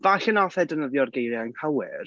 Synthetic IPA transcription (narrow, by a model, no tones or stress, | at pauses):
vaɬənɔθɛdənəðjɔrɡejɾjaanpʰawɪr